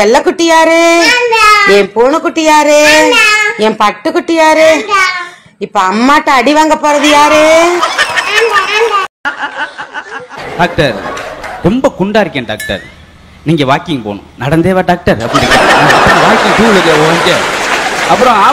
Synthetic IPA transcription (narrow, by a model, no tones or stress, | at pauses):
ɛlːɐkːʊʈːɪjaːɾɯ | ɛpuːɳɯkːʊʈːɪjaːɾɯ | ɛmpɐʈːɯkːʊʈːɪjaːɾɯ | ɪpːoɐmːaːʈːɐ̃ɐɽɪʋaːŋɡɐpːoːɾɐðɯjaːɾɯ | ɖaːk̚ʈɐɾɾɛmbɐkʊɳɖaːɾɯkːẽːɳɖaːk̚ʈɐ̰ɾ | niːŋɡɐʋaːkɪŋpo̰ːnʊ̰̃nɐɽɐnd̪eːʋaɖaːk̚ʈɐɾɐpːɐɾkːɐ̰niɐpːɯɾɐ̃ʋaːkɪŋt̪uːʋɐɾjeoɐɲd͡ʒɐ | ɐpːɯɾɔ̃aː